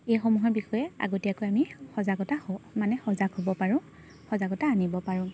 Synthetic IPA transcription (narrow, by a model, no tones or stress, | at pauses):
ejxɔmuɦɔɹbixɔjɛa̰ɡotiakojamixɔzaɡɔtahɔmanɛxɔzaɡɦobɔpaɹʊ̃ | xɔzaɡɔtaːnibɔpaɹʊ̃